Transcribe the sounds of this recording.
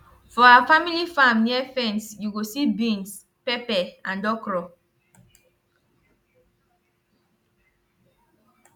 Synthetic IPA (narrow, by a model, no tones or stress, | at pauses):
fɔaafamilifãmniɛfɛ̃nsjuɡosibĩns | pɛpɛãndɔkɹɔ